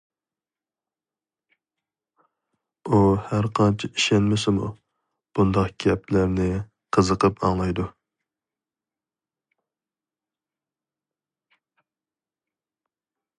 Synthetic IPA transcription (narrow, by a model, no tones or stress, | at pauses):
uhæɾqʰɑnt͡ʃʰiiʃɛnmɪsɪmṵ | b̥und̪ɑqɡ̥ʲɛpʰlæɾnɪ | qʰəzəqəpɑŋlˠɑjd̪u